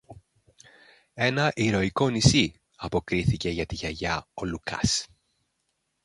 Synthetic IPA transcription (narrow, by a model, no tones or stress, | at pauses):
e̞nɐʔiɾo̞iko̞nisi | ɐpo̞kɾiθice̞ʝɐt̪iʝɐʝɐo̞lukɐ̰s